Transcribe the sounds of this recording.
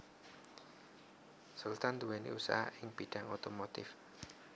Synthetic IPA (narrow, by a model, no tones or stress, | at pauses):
sult̪and̪uwenḭusa̰haʔɪŋb̥iɖ̥äŋot̪omot̪ɪf